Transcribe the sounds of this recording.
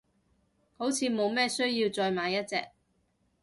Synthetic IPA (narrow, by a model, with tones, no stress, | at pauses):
ho˨˥wt͡sʰiː˨˧mo˨˧wmɛː˥sɵ˥ɥjiː˧wt͡sɔː˧jmaː˨˧jɐ˥t̚t͡sɛ̰ː˧k̚